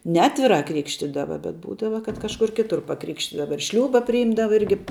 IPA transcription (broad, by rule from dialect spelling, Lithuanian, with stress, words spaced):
nʲɛˈɑːtʲʋʲɪrɑː ˈkrʲɪkʃʲtʲiːdɐʋɐ bʲɛt ˈbuːdɐʋɐ kɐt kɐʃˈkʊr ˈkʲɪtʊr pɐˈkrʲɪkʃʲtʲiːdɐʋɐ ɪr ˈʃʲlʲuːbɐ pʲrʲɪˈjɪmdɐʋɐ ˈɪrʲɡʲɪ